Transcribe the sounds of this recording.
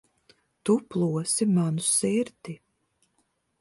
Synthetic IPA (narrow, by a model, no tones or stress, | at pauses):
t̪uplˠuɔsimanusiɾt̪i